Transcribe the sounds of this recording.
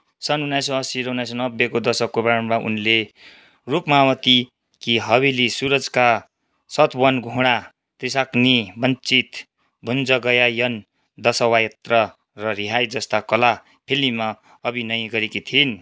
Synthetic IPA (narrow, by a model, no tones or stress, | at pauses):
sʌnunːajsoʌsiɾʌunːajsonʌbːekod̪ʌsʌkːobaɾʌmmaʔṵnle | rupmawʌt̪i | kiɦʌβilisuɾʌd͡zka | sʌt̪wʌnɡʱuɽ̃a | t̪risaknibʌnt͡sit̪ | bʱund͡zʌɡʌjajʌn | d̪ʌsʌwajʌt̪rʌ | rʌɾiɦajd͡zʌst̪akʌla | pʰelːima | ʌbinʌjɡʌɾekit̪ʰin